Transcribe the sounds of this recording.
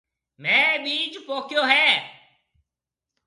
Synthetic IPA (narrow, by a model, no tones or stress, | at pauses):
mɛ̃ːɓiːd͡ʒpoːkjoːɦɛː